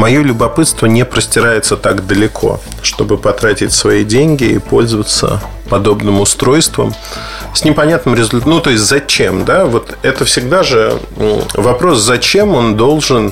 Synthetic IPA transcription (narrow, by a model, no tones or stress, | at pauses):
mɐjo̞lʲʊbɐpɨt̪st̪vənʲɪpɾəsʲtʲɪɾajɪt̪sət̪aɡd̪əlʲɪkʰo̞̰ | ʂt̪o̞bɨpɐt̪ɾatʲɪtʲsvɐidʲenʲɡʲɪḭpo̞lʲzəvət̪sə̰ | pɐd̪o̞bnɨmʊst̪ɾo̞jst̪və̰m | sʲnʲɪpɐnʲat̪nɨmɾʲɪzʊlʲt̪nut̪o̞ɪsʲtʲzɐt͡ɕe̞md̪avo̞t̪ɛt̪əfsʲɪɡd̪aʐɨ | vɐpɾo̞szɐt͡ɕe̞mo̞nd̪o̞lˠʐɨn